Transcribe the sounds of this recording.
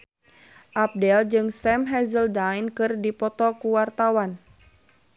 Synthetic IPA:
ʔap̚dɛld͡ʒɨŋsɛmɦɛzəldajnkɨrdipɔt̪ɔkuwart̪awan

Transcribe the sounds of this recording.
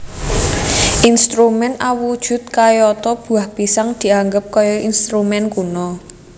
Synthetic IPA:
ʔinst̪ɾumɛnawud̥ʒ̥ʊ̤t̪̚kajɔt̪ɔb̥ṳahb̥isaŋd̪̥i̤aŋɡəp̚kɔjɔʔinst̪ɾumɛnkunɔ

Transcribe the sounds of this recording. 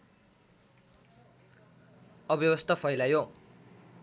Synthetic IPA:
ʌbjʌbʌst̪ʰʌpʰʌjlajo

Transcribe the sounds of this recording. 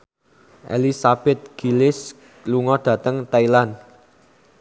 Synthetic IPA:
ʔḛlisab̥ɛt̪̚ɡ̥i̤lɪs | luŋɔɖ̥ä̤t̪əŋt̪ailan

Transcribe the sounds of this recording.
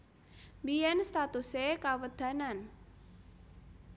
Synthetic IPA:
mbijɛnst̪at̪usekawəd̪̥a̤nan

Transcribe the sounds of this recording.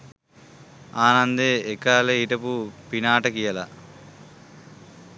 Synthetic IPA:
aːnɐnd̪eːkaːleiʈɐpupinaːʈɐkijɐlɐ̰

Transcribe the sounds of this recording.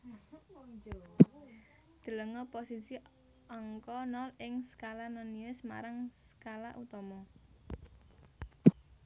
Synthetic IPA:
d̪̥ə̤ləŋɔposisi | ɔŋkɔnɔlɪŋsə̥kalananiʊsma̰ɾaŋsə̥kalaʔut̪ɔmɔ

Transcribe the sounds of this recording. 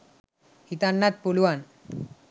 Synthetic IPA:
hit̪anːat̪̚poluʋan

